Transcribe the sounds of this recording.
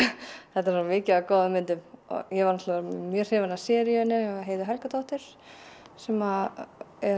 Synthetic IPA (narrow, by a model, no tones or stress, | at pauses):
θɛt̪ːaɾsuamɪːcɪakɔːðʏmːɪnt̪ʏmɔ̰jɛvaɾnɔt̪lamjœːr̥hɛːvanasjɛɾjœnːɪɦeːjðʏɦɛlkat̪ɔht̪ɪɾ̥ | sɛma | ɛ